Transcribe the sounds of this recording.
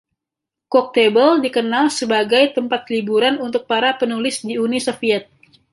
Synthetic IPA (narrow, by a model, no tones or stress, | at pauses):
kɔk̚t̪ebəldikənalsəbaɡajt̪əmpat̪libuɾanunt̪ʊk̚paɾapənulɪsdiunisofiɛt̪̚